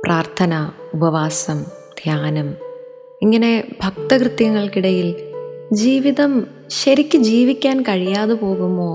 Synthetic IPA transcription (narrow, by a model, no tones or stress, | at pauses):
prʔaːrt̪ʰɐnɐubɐʋaːsɐm | d̪ʱjaːnɐm | iŋːɐne̞bʱɐk̚t̪ɐkrɨt̪jɐŋːɐɭkiɽɐjild͡ʑiːʋiðɐm | ɕɐɾikʲːɨd͡ʑiːʋikʲːaːnkɐɻijaːðɨpo̞ːɣumːo̞ː